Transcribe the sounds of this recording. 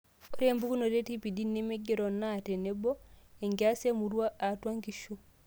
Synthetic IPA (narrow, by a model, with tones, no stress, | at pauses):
o˦ɾe˦˨mbu˦ku˦no˨ɾe˦ti˦pi˨di˦nːe˦me˦ɡe˦ɾɔ˨nate˨ne˦bɔ˦e˨ŋɡea˦se˦mu˨ɾwa˦a˨twa˦ŋɡi˨ʃu˦